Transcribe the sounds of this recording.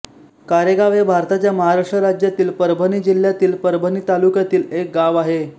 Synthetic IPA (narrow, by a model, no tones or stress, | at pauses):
kaɾeɡaʋebʱaɾt̪at͡ɕjaməɦaɾaʂʈɾəɾad͡ʑjat̪iːlpəɾbʱəniːd͡ʑil̤jat̪iːlpəɾbʱəniːt̪alukjat̪iːlek̚ɡaʋaɦe